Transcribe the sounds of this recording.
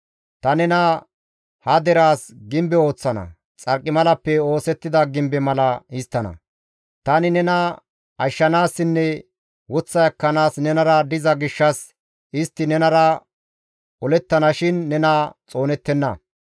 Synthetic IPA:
t̪ɐnɛnɐ | hɐd̪ɛɾaːsɡɪmbɛo̞ːt͡sːɐnɐ̰ | t͡sʼɐɾkʼːɪmɐlɐpːɛo̞ːsɛt̪ːɪd̪ɐɡɪmbɛmɐlɐɪst̪ːɐnɐ̰ | t̪ɐnɪnɛnɐ | ɐʃːɐnaːsːɪnːɛ | wɔt͡sːɐjɐkːɐnaːsnɛnɐɾɐd̪ɪzɐɡɪʃːɐs | ʔɪst̪ːɪnɛnɐɾɐ | ɔlɛt̪ːɐnɐʃɪnːɛnɐt͡sʼo̞ːnɛt̪ːɛnːɐ

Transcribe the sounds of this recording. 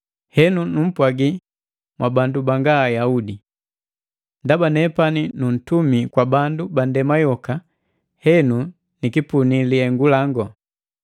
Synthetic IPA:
hɛnunum̩pwaɡi | mwʔabandubaŋɡaːjaudi | ndabanɛpaninun̩tumikwabandubandɛmajɔka | hɛnu | nikipuniliɛŋɡulaŋɡɔ

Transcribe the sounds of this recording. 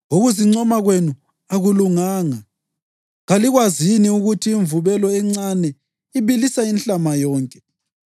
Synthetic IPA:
uɣuziŋ͡ǀɔmaɣwenu | aɣuluŋaːŋa | ɣaliɣwaziniuɣutʰiːɱvuβɛlɔɛŋ͡ǀanɛ | iβilisainɬʼamajɔːŋkʼɛ̥

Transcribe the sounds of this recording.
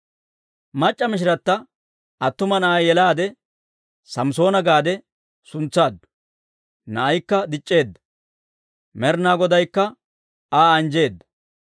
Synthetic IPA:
mɐt͡ʃʼːɐmɪʃ̬ɪɾɐt̪ːɐ | ɐt̪ːʊmɐnɐʔɐjɛlaːd̪ɛ | sɐmso̞ːnɐɡaːd̪ɛ | sʊnt͡sːaːd̪ːʊ̥ | nɐʔɐjkːɐd̪ɪt͡ʃʼːe̞ːd̪ːɐ̥ | mɛɾnaːɡɔd̪ɐjkːɐ | aːɐnd͡ʒe̞ːd̪ːɐ̥

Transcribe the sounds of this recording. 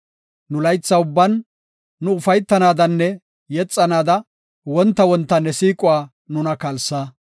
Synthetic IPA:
nʊlɐjt͡sːɐʊbːɐnː | ʊʊfɐjt̪ːɐnaːd̪ɐnːɛ | jɛt͡sʼːɐnaːd̪ɐ | wɔnt̪ːɐwɔnt̪ːɐnːɛsiːkʼʊwaː | nʊnɐkɐlsa

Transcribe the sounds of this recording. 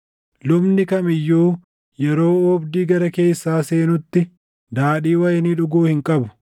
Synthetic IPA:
lʊbnɪkɐmɪjːuː | jɛɾo̞ːɔbd̪iːɡɐɾɐke̞ːsːaːse̞ːnʊt̪ːɪ | d̪aːᶑiːwɐjɛniᶑʊɡuːhɪŋkʼɐbʊ̥

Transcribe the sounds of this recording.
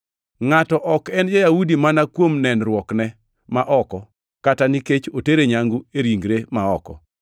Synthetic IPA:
ŋatɔʔɔkɛnd͡ʒajahudimanakwomnɛnɾwɔknɛ | maʔɔkɔ | kataniket͡ʃoteɾeɲaŋɡueɾiŋɡɾemaɔkɔ̰

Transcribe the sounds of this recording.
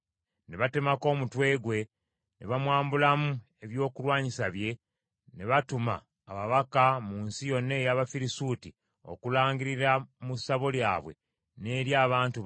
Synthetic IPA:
ne̞βate̞mako̞ːmutwe̞ːɡwe̞ | ne̞̰βamwaːmbulamu | e̞βjo̞ːkulwaːɲisaβje̞ | ne̞βatuma̰ː | βaβakamuːnsijo̞nːe̞jaβafiɾisuti | o̞̰kulaːŋɡiɾiɾamusaβo̞lja̰ːβwe̞̰ | ne̞ːɾjaːβaːntu

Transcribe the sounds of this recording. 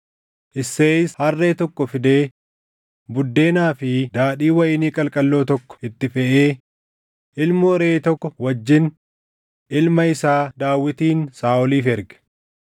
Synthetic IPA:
ʔɪsːeːɪshɐrːeːt̪ɔkːɔfɪd̪e̞ː | bʊd̪ːe̞ːnaːfɪd̪aːᶑiːwɐjɪniːkʼɐlkʼɐlːo̞ːt̪ɔkːɔ̥ɪt̪ːɪfɛʔeː | ʔɪlmʊɾeːt̪ɔkːɔwɐd͡ʒːɪn | ʔɪlmɐɪsaːd̪aːwːɪt̪iːnsaːʔɔliːfɛɾɡɛ̥

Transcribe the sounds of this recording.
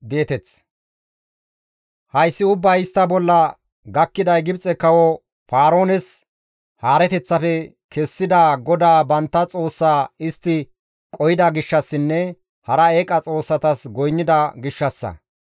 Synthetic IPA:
d̪eːt̪ɛt͡s | hɐjsːɪʊbːɐjɪst̪ːɐbɔlːɐ | ɡɐkːɪd̪ɐjɡɪbt͡sʼɛkɐwɔ | faːɾo̞ːnɛs | haːɾɛt̪ɛt͡sːɐfɛ | kʰɛsːɪd̪aːɡɔd̪aːbɐnt̪ːɐt͡sʼo̞ːsːaːɪst̪ːɪ | kʼɔjɪd̪ɐɡɪʃːɐsːɪnːɛ | hɐɾɐeːkʼɐt͡sʼo̞ːsːɐt̪ɐsɡɔjnːɪd̪ɐɡɪʃːɐsːɐ̰

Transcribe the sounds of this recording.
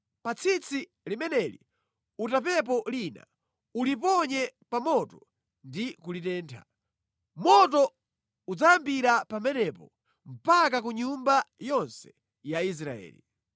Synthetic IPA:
pat͡sʰit͡sʰi | limɛnɛlḭ | utap̬ɛp̬ɔlina̰ | ulip̬ɔɲɛpamɔtɔ | ndikulitɛːntʰa̰ | mɔtɔ | ud͡zaambiɾapamɛnɛpɔ | m̩pakak̬uɲumbajɔnsɛ̥ | jais̬ɾaɛ̰ːli

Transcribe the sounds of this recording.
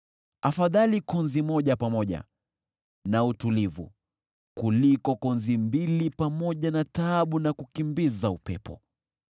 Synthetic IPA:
afaðalikɔnzimɔʄapamɔʄa̰ | nautulivṵ | kulikɔkɔnzimbilipamɔʄanataːɓunakukimbizaupɛ̰pɔ̰

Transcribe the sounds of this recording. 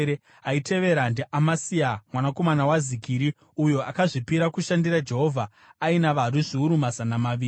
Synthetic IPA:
e | aite̞ʋe̞ɾandiʔamasiamwanako̞manawazikiɾi | ujo̞akaʐipiɾakuʃandirad͡ʒe̞ɦo̞vʱa | ainaʋaɾuʐiuɾumazanamaʋiː

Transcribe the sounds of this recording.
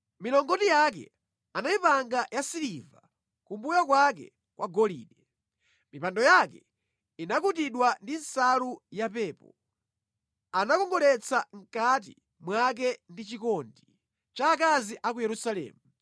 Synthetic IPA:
milɔŋɡɔtijak̬ɛ̰ | anaipaŋɡajasiliva | kumbujak̬wak̬ɛ̰ | kwʔaɡɔlḭːɗɛ | mipandɔjakɛ | inakut̬iɗwandinsalujapɛːpɔ | anakɔŋɡɔlɛt͡sʰaŋ̩kat̬ḭ | mwak̬ɛndit͡ʃikɔndi | t͡ʃaːkaziʔak̬ujɛɾusalɛ̰ːmu

